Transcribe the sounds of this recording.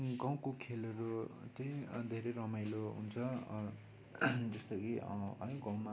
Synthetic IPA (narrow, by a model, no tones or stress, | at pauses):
ɡaw̃kokʰelʌɾot͡sʌjd̪ʱeɾʌɾʌmajloɦṵnt͡sʰʌ | d͡zʌst̪ʌkiʌ̰jɡãw̃ma